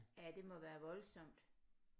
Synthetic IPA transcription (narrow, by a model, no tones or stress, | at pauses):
æd̥e̝mɒ̽ʋæːɐʋɒ̽lsɒ̽m̰d̥